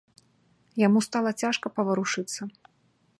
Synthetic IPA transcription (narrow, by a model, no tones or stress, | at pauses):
jamust̪alˠɐt͡sʲaʂkɐpɐvɐɾuʂɨt̪sːɐ